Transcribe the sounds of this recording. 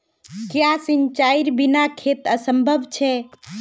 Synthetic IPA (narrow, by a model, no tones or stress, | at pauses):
kjasint͡ʃaiɾbinakʰet̪əsəmbʱəbʱt͡ʃʰɛ